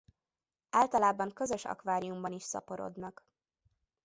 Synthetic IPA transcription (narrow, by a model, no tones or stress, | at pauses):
aːlt̪ɒlaːbɒŋkøzø̞ʃɒ̰kvaːɾijumbɒniʃsɒ̰poɾo̰d̪nɒɡ̥